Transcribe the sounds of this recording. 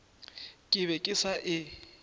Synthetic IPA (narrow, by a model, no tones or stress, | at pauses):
kʼɪβɛkʼɪsaʔɪ